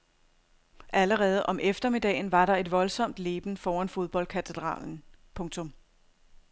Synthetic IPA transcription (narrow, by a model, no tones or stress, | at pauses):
ʔæləʁɛːð̞̩ˠʔɒ̽mʔefd̥ɐme̝d̥ɛ̰ːn̩ʋɑ̈ɾɑ̈e̝d̥ʋɒ̽lsɒ̽m̰d̥le̝ːb̥n̩fɒːænfo̝ð̞ˠb̥ɒ̽l̰kʰæt͡sʰe̝d̥ʁɑ̰̈ːln̩pʰɔ̽ŋt͡sʰɔ̽m